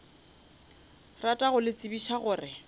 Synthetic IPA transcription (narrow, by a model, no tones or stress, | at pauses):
ratʼaɣʊlɪt͡sʼibiʃaɣʊːrɪ